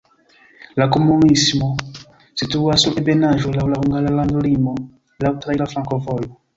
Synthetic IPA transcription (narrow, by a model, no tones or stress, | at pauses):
lakumunisimɔ | situwasuʔebɛnaʒolaulahuŋɡalalãnd̪olimɔ | lautɾailafɾãkɔvɔjɔ